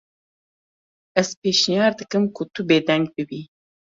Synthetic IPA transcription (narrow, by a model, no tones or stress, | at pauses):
ɛz̥peːʃnjɑːɾd̪ɨkɨmkʰʊt̪ʰʊbeːd̪ɛŋɡ̚bɨbiː